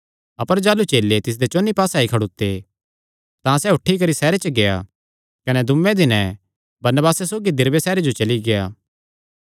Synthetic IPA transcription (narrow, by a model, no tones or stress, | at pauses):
ɐpəɾd͡ʒaːlut͡ʃeːlːet̪ɪs̬d̪et͡ʃoːnːipaːsaːikʰɐɽut̪ːe | t̪ãsɛʊʈʰːikɐɾisɛːɾet͡ʃəɡea̰ | kɐnɛd̪ʊmːẽd̪ɪnɛ̃ | bɐɾnəbaːsɛsoːɡid̪ɪɾʋesɛːɾed͡ʒot͡ʃɐliɡejaː